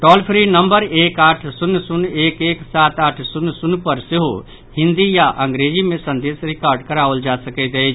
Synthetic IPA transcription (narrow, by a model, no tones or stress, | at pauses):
ʈɔːlpʰɾinə̃mbəɾeːkaːʈʰsʊnːsʊneːkeːksaːt̪aːʈʰsʊnːsnpəɾsɪɦo | hɪ̃nd̪ijaʔə̃ŋɡɾeːd͡ʒimẽsə̃nd̪eːsɾɪkaːɾɖkəɾaːʋəld͡ʒaːsəkɛt̪e